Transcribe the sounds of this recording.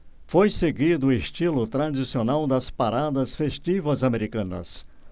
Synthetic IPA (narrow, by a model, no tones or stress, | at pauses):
fojseɡid̪ʊest͡ʃilʊt̪ɾad͡ʒisionawd̪ɐspaɾad̪ɐsfest͡ʃivɐzameɾikɐ̃nɐ̰s